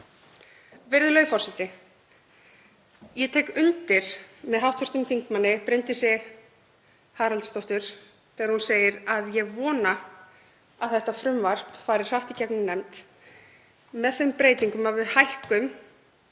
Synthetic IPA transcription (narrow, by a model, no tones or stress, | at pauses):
vɛɾðʏlœɥfɔrsɛht̪ɪ | jɛt̪ʰeːjkʏnt̪ɪɾ̥mɛðɦawt̪vʏr̥t̪ʏmθiŋkmanːɪpɾɪnt̪ɪsɛ | haːɾalt̪st̪ɔwht̪ʏɾ̥ | θɛːɣaɾhunseːjɪɾaðjɛɣvɔːna | aðθɛht̪afɾʏmvar̥pfaːjɾɪɾ̥haht̪icɛknɪmnɛmt̪ | mɛðθœɥjmpɾeːjt̪iŋkʏmavɪðhajhkʏm